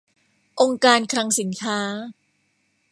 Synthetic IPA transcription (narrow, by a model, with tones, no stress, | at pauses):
ʔo˧ŋkaː˧nkʰɾa˧ŋsi˩˦nkʰaː˦˥